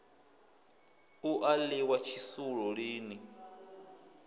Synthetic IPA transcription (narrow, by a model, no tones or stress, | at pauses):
uʔaliwat͡ʃʰisuɺɔɺiːni